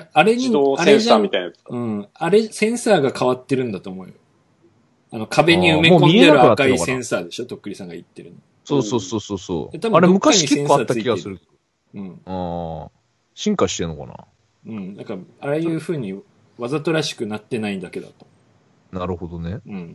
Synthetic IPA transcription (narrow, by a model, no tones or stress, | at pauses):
jaaɾe̞ɲiaɾeaamit̪ajnɯ̟̃ːaɾe̞sẽ̞ɰ̃saːɡakʰaβat̪ːe̞ɾɯ̟̃nd̪at̪o̞ːmo̞ɯ̟jo | ano̞kʰabe̞ɲ̟iɯmemːkomideaɾɯaɯanatkaeikasẽ̞ɰ̃saːd̪e̞ɕo̞t̪o̞kːɯ̟ɾʲisãŋɡait̪ːe̞ɾɯ̟̃n | soːsoːsoːsoːso̰ːjat̪abɯaɾemɯ̟kaiiisẽsaːtːaɨiiiɡaesɨɾɯ̟ked̪o | ɯ̟̃ːaː | ɕĩŋkaɕi̥t̪enoka̰na̰ | ɯ̟̃ɴnaŋkaaɾejɯ̟ːɸɯ̟ːɲ̟i | βazat̪o̞ɾaɕi̥kɯ̟nat̪ːe̞naid̪ake̞d̪a̰t̪o̥ | naɾɯ̟hod̪oneɯ̟̃ɴ